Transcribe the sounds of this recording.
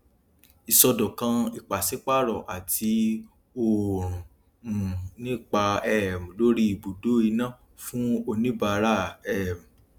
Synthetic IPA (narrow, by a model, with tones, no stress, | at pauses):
i˨sɔ˧dɔ̃˨kã˧i˨k͡pa˨se˨˦k͡pa˦˨ɾɔ˨ʔa˨tʰi˧ | o˨ɾũ˨ | ũ˨nĩ˦˨k͡pa˧ɛ˦˨m̩̃˨lo˦ɾi˦i˨bo˨do˨˦i˧nã˦˨ | fũ˦o˧nĩ˦ba˧ɾa˦˨ɛ˦˨m̩˨